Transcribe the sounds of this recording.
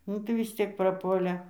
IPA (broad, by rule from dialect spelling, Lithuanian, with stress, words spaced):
ˈnʊ tɐɪ ʋʲɪs ˈt͡sʲiɛk prɐˈpuɔlʲeː